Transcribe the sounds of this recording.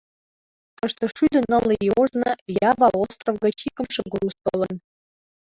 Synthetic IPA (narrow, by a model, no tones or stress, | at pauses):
t̪ɤʃt̪ɤ̆ʃyd̪ə̆nɤ̆lˠːijoʒnɤ̆jɑvɑlˠost̪rovɡɤ̆t͡ɕikɤ̆mʃĕɡrust̪olɤ̆n